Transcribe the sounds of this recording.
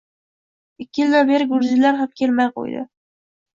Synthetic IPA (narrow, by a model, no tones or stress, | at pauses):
ɪkʲːɪjld̪abeɾɪɡʊɾzɪlaɾɦamkʲʰelmajqo̰jd̪ɪ̰